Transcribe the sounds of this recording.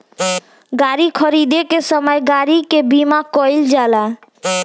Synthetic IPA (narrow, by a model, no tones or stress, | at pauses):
ɡaɾikʰɔɾid̪ekeʃɔmɔeɡaɾikebimakɔjld͡ʑala